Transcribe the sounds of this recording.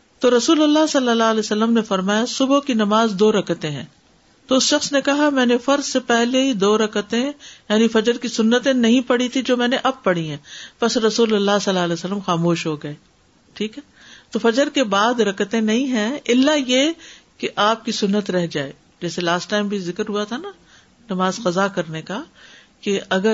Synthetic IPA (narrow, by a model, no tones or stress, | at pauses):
t̪oːɾɐsuːlɐlːasɐlːəlalɛːsɐlːəmnefɐɾmaːjasʊbokinɐmaːzd̪oːɾɐkət̪ẽɦɛ̰̃ː | t̪oːʊsʃɐxsnekɐɦamɛ̃ːnefɐɾzsepɛɦleɦid̪oːɾɐkət̪ẽjaːnifɐd͡ʒəɾkisʊnːət̪ẽnɐɦĩpɐɽ̤it̪ʰid͡ʒoːmɛ̃ːneʔɐb̚pɐɽ̤iɦɛ̃ːpɐsɾɐsuːlɐlːasɐlːaːleːsəlːəmxaːmoːʃɦoɡɐeː | ʈʰiːkɦɛ | t̪oːfɐd͡ʒəɾkebaːd̪ɾɐkət̪ẽnɐɦĩɦɛ̃ɪlːajekeʔaːp̚kisʊnːət̪ɾɛɦd͡ʒaːeː | d͡ʒɛːselaːsʈːaːɪmbʱizɪkəɾɦuat̪ʰana | nɐmaːzqɐzakɐɾneka | keɐɡə